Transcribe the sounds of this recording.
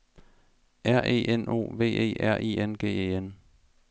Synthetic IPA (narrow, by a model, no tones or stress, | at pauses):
ʔæɐ̰ʔe̝̰ːʔeno̝̰ːʋe̝̰ːe̝̰ːʔæɐ̰ʔiːenɡ̥e̝̰ːḛːen